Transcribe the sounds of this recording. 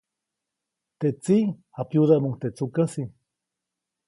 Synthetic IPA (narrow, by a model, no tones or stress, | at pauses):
t̪eʔt͡si | apjuðamuŋt̪et͡sukasi